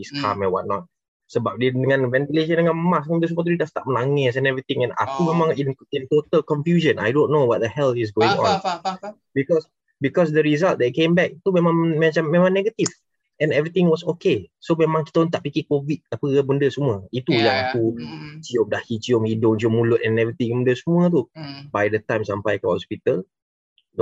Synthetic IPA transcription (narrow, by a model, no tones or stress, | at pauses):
iskʰamɛ̃nwa̰t̪̚nɔt̪̚ | səbap̚didəŋãnvɛ̃nt̪ileʃ̬ə̃ndəŋãnmasãdəs̬umə̃t̪udidast̪a̰ʔ̚məlaŋɛsɛ̃nɛvɹit̪ɪ̃ŋɛ̃na̰kumemãŋinint̪ot̪əlkɔnfjuʒə̃na̰jdonːowɔt̪̚d̪əhɛlt̪is̬ɡoɪ̃ŋɔ̰̃n | bikɔs | bikɔs̬dəɾizalt̚dɛt̪̚kembɛk̚t̪umẽmãŋmɛ̃t͡ʃanmẽmãŋnɛɡət̪if | ɛ̃nɛvɹit̪ɪ̃ŋwɔsokesomẽmãŋkit̪aunt̪aʔpikikovit̪̚apəbəndəsumuəit̪ujaŋakut͡ʃiom̚dahhit͡ʃiomhidʊŋt͡ʃiomːulʊt̪̚ɛ̃nɛvɹit̪ĩŋbəndəsumũət̪̬ubajdət̪ãjmsampajkɔhɔspit̪əl | d